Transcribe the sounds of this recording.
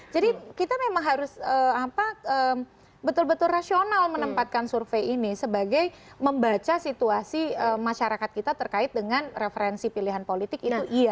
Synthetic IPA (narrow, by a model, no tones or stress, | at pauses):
d͡ʒadikit̪amemaŋɦaɾʊsəapaəːm | bət̪ʊlbət̪ʊlrasionalmənəmpat̪̚kansurfejinisəbaɡaj | məmbat͡ʃasit̪uasiəmaʃaɾakat̪̚kit̪at̪ərkaɪt̪̚dəŋanrefəɾɛnsipiliɦanpolit̪ɪkiuʔia